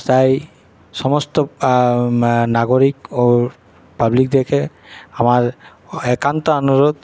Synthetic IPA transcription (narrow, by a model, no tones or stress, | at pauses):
taj | sɔmɔstɔ | naɡoɹiko | pablik̚dɛkʰɛ | amaɹ | ɛkantɔɔnuɹɔd̪̚